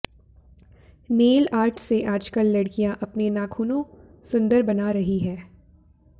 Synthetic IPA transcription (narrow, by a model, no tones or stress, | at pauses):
neːlaːɾʈʰseʔaːd͡ʒkəlːɐɽkijãʔɐpnenaːkʰuːnõ | sʊ̃nd̪əɾbɐnaɾɐɦiɦɛː